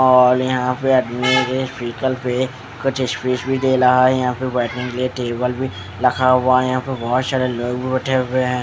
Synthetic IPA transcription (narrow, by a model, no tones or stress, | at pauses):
ɔːɾjɐɦãpeɐdmikespiːkəlpe | kʊt͡ʃʰɪspɾiːsbʱid̪eːɾaɦajɐɦãpebɛːʈnẽŋkelieʈeːbəlbʱi | lɐkʰaɦʊajɐɦãpebɔɦːt̪saːɾeloːɡbʱibʊʈʰeʊeɦɛ̃ː